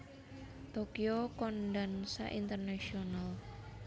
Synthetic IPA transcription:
t̪okiokɔnɖansa̰ʔint̪ərnaʃional

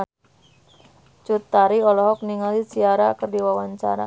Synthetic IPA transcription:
t͡ʃut̪ːaɾiɔlɔɦɔk̚niŋalisiaɾakərdiwawaɲt͡ʃa̰ɾa̰

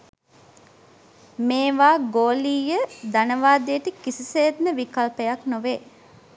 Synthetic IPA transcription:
meːʋaːɡoːliːjəd̪anəʋaːd̪ijəʈəkisiseːd̪nəʋikalpəjaknoʋeː

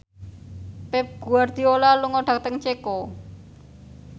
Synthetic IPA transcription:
pɛp̚ɡ̥uard̪̥i̤olaluŋɔɖ̥a̤k̚t̪əŋt͡ʃekɔ

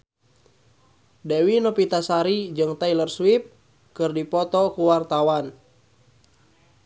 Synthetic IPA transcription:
dɛwinɔpit̪asaɾid͡ʒɨŋt̪ailərswip̚ | kɨrdipɔt̪ɔkuwart̪awan

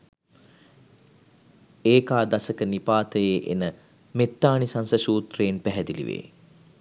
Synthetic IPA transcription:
eːkaːd̪asəkənipaːt̪əjeːʔḛnə | met̪ːaːnisansəʃuːt̪reːnpæɦɛd̪ilḭʋḛː

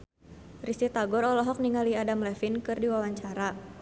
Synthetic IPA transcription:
rist̪it̪aɡɔɾɔlɔɦɔk̚niŋaliadamlɛfinkɨrdiwawaɲt͡ʃaɾa

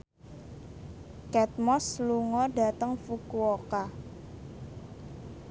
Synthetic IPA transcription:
kɛt̪̚mɔsluŋɔɖa̤t̪əŋfukuoka

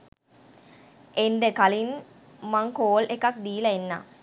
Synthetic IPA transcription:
enɖekalin | maŋkoːlʔekɐk̚d̪iːlɐenːa̰

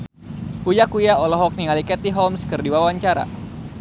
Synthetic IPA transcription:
kujakujaɔlɔɦɔk̚niŋalikɛt̪iɦɔmskɨrdiwawaɲt͡ʃaɾa̰

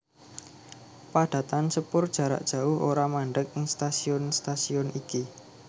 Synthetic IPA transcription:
paɖ̥ä̤t̪ansəpʊrd̥ʒ̥ä̤ɾa̰ʔd̥ʒ̥ä̤ʊhʔoɾamaɳɖək̚ɪŋst̪asiʊnst̪asiɔniki

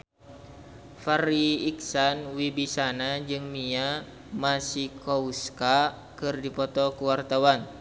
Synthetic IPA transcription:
faɾiik̚sanwibisanad͡ʒɨŋmia | masikɔuska | kɨrdipɔt̪ɔkuwart̪awan

